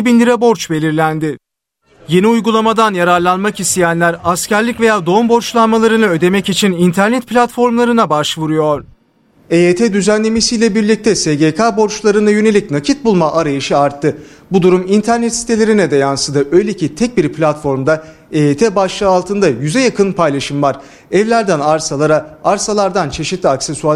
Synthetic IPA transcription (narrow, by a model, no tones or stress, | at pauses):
binʲd̪ʲiɾabo̞ɾt͡ʃbe̞lʲiɾlʲænd̪ɪ | je̞niujɡulˠamad̪anjaɾaɾlˠanmakist̪ʰejænlʲæɾascæɾlʲicve̞jaːd̪o̞mbo̞ɾt͡ʃlˠanmalˠaɾɯnɯø̞d̪e̞mɛcit͡ʃʰinint̪ʰæɾnɛt̪̚pʰlʲat̪fo̞ɾmlˠaɾɯnabaʃvuɾujo̞ɾ̥ | eet̪ʰɛd̪yzænlʲe̞mesijlʲɛbiɾlʲic̚t̪ʰɛseɟekʰaːbo̞ɾt͡ʃlˠaɾɯnajø̞ne̞lʲicnacʰit̪̚bulˠmaʔaɾajɯʃɯaɾt̪ʰːɯ | bud̪uɾumint̪ʰæɾnɛt̪si̥t̪ʰe̞lʲeɾinɛd̪ɛjansɯd̪ɯʔø̞jlʲecʰit̪ʰɛc̚biɾpʰlʲat̪fo̞ɾmd̪a | eet̪ʰeːbaʃlˠɯalˠt̪ʰɯnd̪ajyzɛjakʰɯnpʰajlˠaʃɯmvaɾ̥ | ɛvlʲæɾd̪ænaɾsalˠaɾaaɾsalˠaɾd̪ant͡ʃʰe̞ʃit̪lʲiaksesua